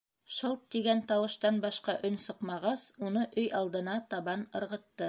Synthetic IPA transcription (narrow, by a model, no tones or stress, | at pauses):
ʃolˠt̪ːiɡænt̪ɑwɤ̆ʃt̪ɑnbɑʃqɑʔɵnsɤ̆qmɑʁɑsunɤʔɵjɑlˠd̪ɤ̆nɑt̪ɑβɑnɤ̆ɾʁɤ̆t̪ːɤ